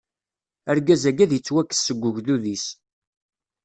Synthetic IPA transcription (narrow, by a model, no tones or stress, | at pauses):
æɾɡæzæɡæðjət͡sːwækːə̥sːəɡʷːəʝðuðis